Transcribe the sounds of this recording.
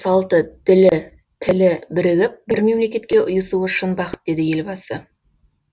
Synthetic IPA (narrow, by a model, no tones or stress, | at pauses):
sɑlˠt̪əd̪̥ɪlɪ | t̪ʰɪlɪbɪɾɪɡʲɪp̚bɪɾme̞mle̞kʲe̞t̪̚kʲe̞ʔʊjəsuəʃənbɑqə̥t̪̚d̪e̞d̪ɪje̞lbɑsə